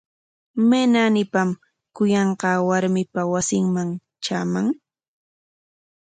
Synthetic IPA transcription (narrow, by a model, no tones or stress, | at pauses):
menanɪpam | kʊjɑɴqɑːwaɾmɪpawasɪŋmaŋ | t͡ʃaːmaŋ